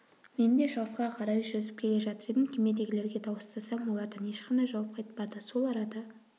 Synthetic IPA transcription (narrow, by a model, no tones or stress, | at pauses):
me̞nd̪eʃɑʁəsqɑqʰɑɾɑjʒɵzɪp̚kʲʰe̞le̞ʒɑt̪əɾed̪ɪmkʲʰeme̞d̪e̞ɡʲɪle̞ɾɡʲe̞t̪ʰɑwəst̪ɑsɑmwo̞lˠɑɾd̪əne̞ʃqɑnd̪ɑjʒɑwɑp̚qʰɑjt̪pɑd̪əso̞lˠɑɾɑd̪ɑ